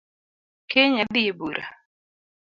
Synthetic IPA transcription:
kʰeɲad̪ɪebuɾʔa̰

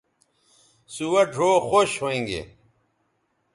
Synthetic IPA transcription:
suwɐʈʰoːxoɕhoĩŋɡḛ

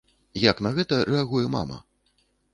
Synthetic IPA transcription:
jaknɐɣɛt̪ɐɾʔɛaɣujɛma̰mɐ̰

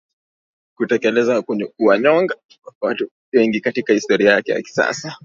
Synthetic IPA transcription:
kutɛkɛlɛzakɛɲɛuaɲɔŋɡa | watu | wɛŋɡikatikahistɔɾiajakɛja̰ki̥sa̰sa

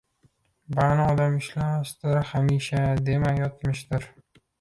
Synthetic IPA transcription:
banɪɒd̪amɪʃlamʃd̪ɪɾhamiʃad̪e̞majɒt̪̚mɪʃd̪ɪɾ

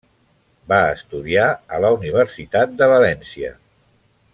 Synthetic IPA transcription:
baəst̪uðiaələuniβ̞əɾsit̪at̪̚d̪əβ̞əlɛnsiə̰

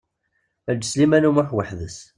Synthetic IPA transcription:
æd͡ʒːslimænumaħwəħðəs

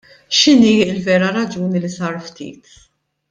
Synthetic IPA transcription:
ʃɪniːɪlvɛːɾɐɾɐd͡ʒuːnilisɐːɾft̪ḭːt̪

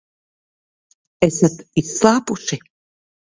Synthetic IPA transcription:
ɛsat̪islaːpuʃi

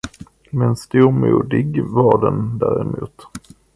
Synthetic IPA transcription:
mɛnst̪uːɾmuːd̪ɪɡvɑɖɛnd̪æːɾɛmuːt̪

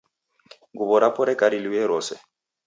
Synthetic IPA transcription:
ɡuβɔɾapɔɾɛkʼaɾiliwɛɾɔsɛ

